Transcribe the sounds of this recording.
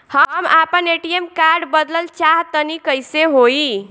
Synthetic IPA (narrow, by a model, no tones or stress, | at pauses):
həmapəneʈiemkaɾɖbəd̪ləlt͡ʃaɦt̪ənikəjseɦoi